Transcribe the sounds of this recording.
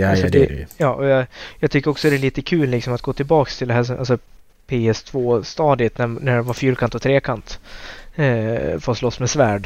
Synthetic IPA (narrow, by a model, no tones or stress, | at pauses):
d̪ɛ̰jɑːʔɔjɑjɑɡt̪ʰʏkːəɾɔksɔd̪ɛæɭiːt̪əkʰʉːlːɪksɔmat̪̚ɡoːt̪ʰɪlbɑːkst̪ʰɪld̪ɛɦæːʂɔmʔa̰lsɔ | pʰeːɛst̪ʰvoːst̪ɑːd̪ɪət̪nænæɖɛvaɾfyːɾkʰant̪ɔt̪ʰɾeːkʰant̪ | fɔslɔsːmɛsvæːɖ